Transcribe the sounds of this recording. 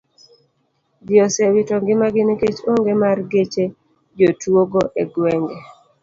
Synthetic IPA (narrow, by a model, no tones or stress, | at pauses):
djɔsɛwitɔŋɡɪmaɡɪneket͡ʃoŋɡemarɡet͡ʃe | d͡ʒotwoɡoʔeɡwɛŋɡɛ